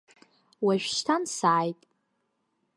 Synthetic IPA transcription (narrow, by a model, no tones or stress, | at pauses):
waʒᶣʃtʰansaːjtʼ